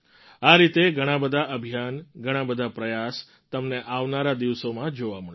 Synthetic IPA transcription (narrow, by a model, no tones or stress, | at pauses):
aɾit̪eɡʱəɽ̃ãbəd̪ʱaʔəbʱijanɡʱəɽ̃ãbəd̪ʱapɾəjas | t̪əmneʔaʋnaɾad̪iʋsomãd͡ʒoʋamə